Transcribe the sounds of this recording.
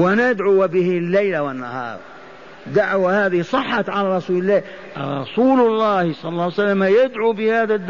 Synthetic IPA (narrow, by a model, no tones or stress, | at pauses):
wnad̪ʕʊwbɪhɪlːajlawɪnːa̰hɑ̰ːɾˤ | d̪aʕwahaːðɪsˤɑħːɑt̪ʕalaɾˤɑsuːlɪlːaː | ɾˤɑ̰suːlʊlˤːɑːhsˤɑlːɑlːˤɑːwsalːamajɪd̪ʕubɪhaːðad̪ː